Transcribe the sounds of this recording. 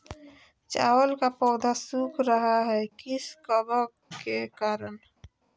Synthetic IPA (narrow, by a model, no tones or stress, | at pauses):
t͡ʃa̰ːwəlkapɔːd̪ʱasukʰɾəɦaɦɛkɪskəbək | kekaːɾən